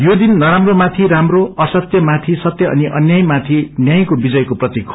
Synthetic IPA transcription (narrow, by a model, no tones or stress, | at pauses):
jod̪inːʌɾamromat̪ʰiɾamroʌsʌt̪jʌmat̪ʰisʌt̪jʌʌ̰niʔʌnjaj̃mat̪ʰinjaj̃kobid͡zʌjkoprʌt̪ikʰ